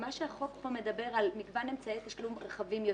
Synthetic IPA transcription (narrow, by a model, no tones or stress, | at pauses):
maʃehaχo̞kbome̞d̪abe̞ʁalmiɡvanemt͡saet̪aʃlumʁaχavimjo